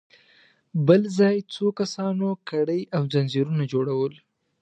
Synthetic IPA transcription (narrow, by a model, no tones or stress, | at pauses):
bəlzɑjt͡sokasɑnokaɽəjawzanziɾunad͡ʒoɽawəl